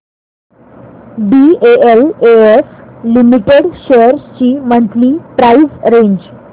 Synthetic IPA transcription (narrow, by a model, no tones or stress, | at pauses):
bieeleeslimiʈeɽɕeəɾst͡ɕiːməɳt̪liːpɾaizɾeɲd͡ʑ